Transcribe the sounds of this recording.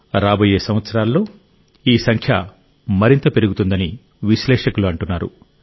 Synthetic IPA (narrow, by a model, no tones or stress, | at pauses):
ɾaːboːjeːsɐmʋɐt̪sɐɾaːlːo̞ː | iːsɐŋkʰjɐ | mɐɾint̪ɐpe̞ɾuɡut̪und̪ɐni | ʋiʃlɛːʂɐkuluɐɳʈunːaːɾṵ